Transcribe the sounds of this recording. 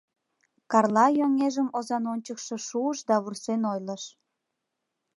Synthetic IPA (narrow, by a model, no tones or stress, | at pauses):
kɑrlɑjoŋeʒəmozɑnonʲt͡ɕəkʃĕʃuəʃd̪ɑβursenojləʃ